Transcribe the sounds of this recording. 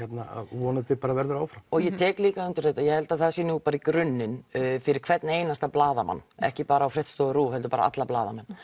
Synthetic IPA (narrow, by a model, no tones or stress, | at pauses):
ɛt̪naa̰ðvɔːnat̪ɪpaːɾavɛɾðʏɾaːwfɾawɔɣjɛt̪ʰɛːkliːkaʏnt̪ʏɾ̥ejt̪ajɛhɛlt̪aθasinupaːɾikɾʏnːɪnfɪɾɪɾ̥kʰvɛt̪naeːjnast̪aplaːðama̰nːɛ̰hcɪpaːɾaːwfɾɛht̪st̪ɔɣʏɾuːhɛlt̪ʏ̥paːɾa̰a̰t̪lapla̰ːðamɛnː